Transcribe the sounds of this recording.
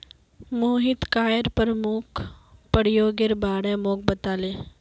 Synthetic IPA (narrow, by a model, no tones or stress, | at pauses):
moːɦɪt̪kaːjəɾpəɾəmʊkʰpəɽ̤ɪjoːɡɪɾbaːɽɛmoːk̚bət̪aːleː